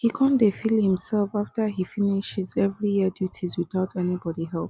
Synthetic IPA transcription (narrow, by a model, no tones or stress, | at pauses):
hikʰɔ̃ndefilhĩmsɛlˠfaftəɦifiniʃɪzɛvɹijiədjutʰizwiðaʊtɛnibɔdiɦɛlˠp̚